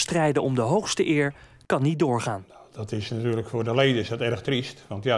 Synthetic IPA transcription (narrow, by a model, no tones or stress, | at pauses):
strɛjdəʔɔmdəɦowχstəʔɪːɹ | kɑnːit̚dʊːɹχaːnnadɔtɪsnatyːrləkfʊːrdəlejdəɪsdɔtɛrəxtristʋɑntja